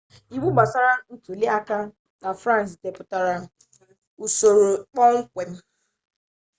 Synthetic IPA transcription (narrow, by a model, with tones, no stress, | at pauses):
i˨ɡ͡bu˦ɡ͡ba˨sa˦ɾa˦n̩˦tu˨le˦a˦ka˦ | na˨fɾã˦n˨s̬de˨pʊ˦ta˦ɾa˦ | u˨so˨ɾo˨k͡pɔ˦ŋ̩˦kʷe˨m̩˦